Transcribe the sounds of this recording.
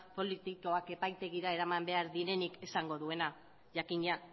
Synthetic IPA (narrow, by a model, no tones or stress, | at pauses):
po̞lit̪iko̞ake̞pajt̪e̞ɣiɾae̞ɾamambe̞aɾðiɾe̞nike̞saŋɡo̞ðue̞na | ʝakiɲa